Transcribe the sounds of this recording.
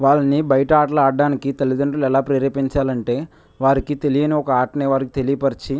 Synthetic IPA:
ʋaːɭːɐnibɐjɐʈɐaːʈɐlɐaːɖːaːnikit̪elid̪ɐɳʈɐlɛlaːpɾeːɾeːpiɲt͡ʃaːlɐɳʈe̞ː | ʋaːɾikit̪e̞lijɐniɔkɐaːʈɐneːʋaːɾikit̪elijɐpɐɾit͡ʃi

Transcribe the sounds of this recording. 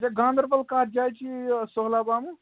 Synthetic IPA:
d͡ʒaɡãːnd̪əɾpəlkaːt̚d͡ʒajt͡ʃʰisoɦlabamu

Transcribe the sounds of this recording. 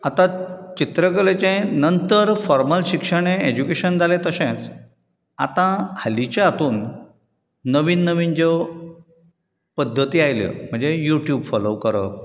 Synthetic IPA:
at̪ãt͡ɕit̪ɾək̬əɭet͡ɕẽnənt̪əɾfɔɾməlɕikʂəɽ̃eed͡ʑukeɕənd͡zʱalẽt̪əɕẽt͡s | a̰t̪ãhalit͡ɕãat̪uːnː | əʋiːnːəʋiːnd͡ʑe | pəd̪ʱːət̪iːajljə̰m̤əɳd͡zejuʈjubfɔloʋkəɾə̰

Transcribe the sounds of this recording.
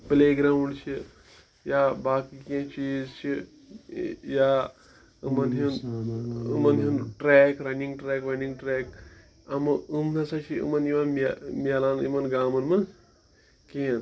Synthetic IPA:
pileːɡɾauɽt͡ʃʰi | jabaːkikẽt͡ʃʰizt͡ʃʰi | ja | ɨmɐnɦin | ɨ̰mɐnɦinʈɾeːkɾɐniŋɡʈɾɛːkɾɐniŋɡʈɾeːk | ɐmɨɨmnɐsat͡ʃʰiɨ̰mɐniʋanmmʲaːlaːnimɐnɡaːmɐnmɐn | kẽn

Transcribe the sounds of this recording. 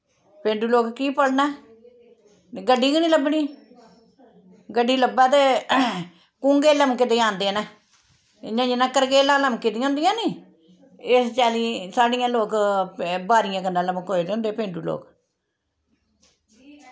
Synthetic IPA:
pẽːɳɖuːloːkkiːpəlnɛː | ɡəɖːiːɡənĩːləbɳiː | ɡəɖːiːləbɛːt̪e | kũːŋɡeːləmkɪd̪eːãːnd̪eːnɛː | ɪɲãːd͡ʒɪnãːkəɾɡeːlãːləmkɪd̪ijãːnd̪ɪjãːniː | ɪst͡ʃɛːliːsaːɖɪjãːloːk | baːɾɪjãːkəndãːləməkɦoːed̪ẽːnd̪eːpẽːɳɖuːlo̰ːk

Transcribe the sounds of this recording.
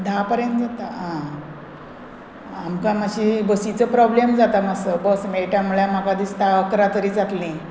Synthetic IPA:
d̪ʱapəɾjə̃nt̪d͡zat̪aɦã | amkamaɕibəsit͡səpɾɔblemd͡zat̪amasəbɔsmeɭʈamuɭjamakad̪ist̪aəkɾat̪əɾiːd͡zat̪lĩ

